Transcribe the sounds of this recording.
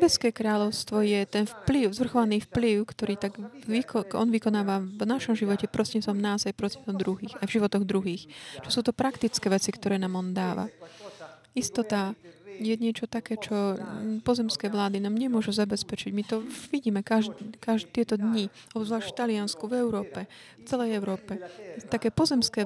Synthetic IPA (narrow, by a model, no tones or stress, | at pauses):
bɛskɛːkɾaːʎɔʊst̪ʋɔjɛt̪ɛnfpliʊzʋr̩xɔʋaniːfpliʊkt̪ɔɾiːt̪aɡʋikɔɔnʋikɔnaːʋanaʃɔmʒiʋɔcɛpɾɔsɛsɔmnaːzajpɾɔt͡sɛnt̪ɔmd̪ɾuɦiːxajvʒiʋɔt̪ɔɣd̪ɾuɦiːxt͡ʃɔsuːt̪ɔpɾakt̪it͡skɛːʋɛt͡sikt̪ɔɾɛːnaːmɔnd̪aːʋa̰ | ist̪ɔt̪ajɛɲɪɛt͡ʃɔt̪akɛːt͡ʃɔpɔzɛmskɛːʋlaːd̪inaːmɲɛmʊɔʒuzabɛspɛt͡ʃiɟmit̪ɔʋiɟiːmɛkaʒkaʒt̪ɪɛt̪ɔd̪ɲi | ɔbzʋlaːʃft̪alianskuvɛʊɾɔːpɛft͡sɛlɛjɛʊɾɔːpɛt̪akɛːpɔzɛmskɛː